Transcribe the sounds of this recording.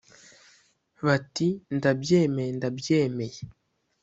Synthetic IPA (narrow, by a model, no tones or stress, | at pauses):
βatindabjeːmejendabjeːme̞je